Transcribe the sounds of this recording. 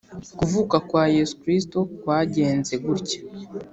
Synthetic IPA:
kuvuːkakwaːje̞su̥kɾisto̞kwaːɟe̞ːnze̞ɡuɾcḁ

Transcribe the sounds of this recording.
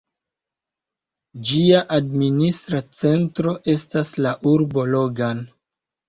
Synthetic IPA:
d͡ʒiaʔadministɾat͡se̞ntɾo̞ʔe̞staslaʔuɾbo̞lo̞ɡan

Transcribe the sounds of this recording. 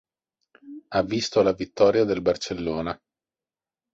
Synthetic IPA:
avːist̪olavit̪ːɔːɾjad̪elbart͡ʃelːoːna

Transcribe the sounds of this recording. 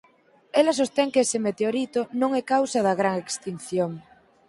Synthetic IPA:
elas̬ost̪ɛŋkesemet̪eoɾit̪onõŋɛkawsɐðɐɣɾaŋekst̪in̟θjoŋ

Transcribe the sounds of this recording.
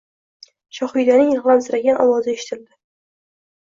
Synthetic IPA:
ʃɒχʊjd̪anɪŋʁlˠansɪɾaɡʲanʔɒ̰wɒzɪeʃɪ̥t̪ʰɪld̪ɪ

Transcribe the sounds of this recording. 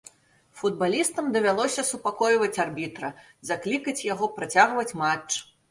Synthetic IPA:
fud̪̚balʲist̪ɐmd̪ɐvʲalˠɔsʲɐsupakɔjvɐt͡sʲarbʲit̪ɾɐ | zaklʲikɐt͡sʲjaɣɔpɾat͡sʲaɣvɐt͡sʲmat͡ʂ

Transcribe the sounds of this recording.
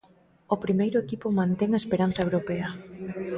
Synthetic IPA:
opɾimejɾʊekipomãnt̪eŋɐespeɾanθɐewɾopeɐ

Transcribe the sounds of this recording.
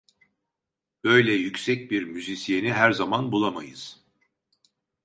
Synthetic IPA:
b̥ø̞jlʲɛjycsɛc̚biɾmyzisijeniɦæɾzamanbulˠamajɯz̥

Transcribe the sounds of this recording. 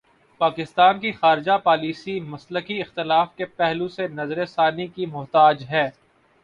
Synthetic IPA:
paːkɪst̪aːnkixaːɾɪd͡ʒapaːliːsimɐsləkiɪxt̪ɪlaːfkepɛɦlũsenɐzɾesaːnikimʊɦt̪aːd͡ʒɦɛː

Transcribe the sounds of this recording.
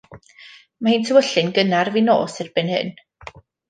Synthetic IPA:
mahiːntʰəwəɬɨnɡənarvino̰ːsɪrbɪnhɨ̰n

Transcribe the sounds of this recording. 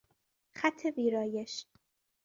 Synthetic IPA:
xæt̪ʰːeviːɾɒːjeʃ

